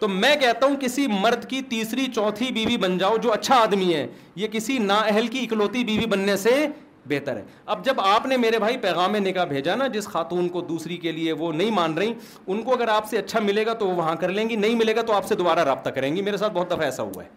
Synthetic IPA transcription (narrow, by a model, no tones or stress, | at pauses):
t̪omɛ̃ːkɛɦt̪aɦũkɪsimɐɾd̪ʱkit̪iːsɾit͡ʃɔːt̪ʰibiːʋibɐnd͡ʒaːod͡ʒoːɐtːʃʰaaːd̪miɦɛː | jekɪsinaːɛɦɛlkiɪkloːt̪ibiːʋibɐnːese | beːt̪əɾɦɛ̰ːɐb̚d͡ʒɐbaːpnemeːɾebʱaːipɛːɣaːmːẽnɪkabʱeːd͡ʒanad͡ʒɪsxaːt̪uːnkod̪uːsɾikelieʋonɐɦĩmãːnɾɐɦĩ | ʊnkoɐɡəɾaːpseɐtːʃʰamɪleːɡat̪oʋoʋɐɦãkɐɾlẽːŋɡinɐɦĩmɪleːɡat̪oaːpsed̪obaːɾaɾaːb̚t̪akɐɾẽːŋɡimeːɾesaːt̪̚bɔɦːt̪̚d̪ɐfʰaɛːsa̰ɦṵa̰ɦɛː